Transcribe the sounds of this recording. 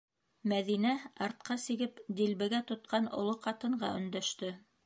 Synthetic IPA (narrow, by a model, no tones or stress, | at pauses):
mæðinæɑɾt̪̚qɑsiɡɘpd̪ilbɘ̆ɡæt̪ŏt̪̚qɑnŏ̰lˠoqɑt̪ɤ̆ɴɢɑ̰ʔɵ̆nd̪æʃt̪ɵ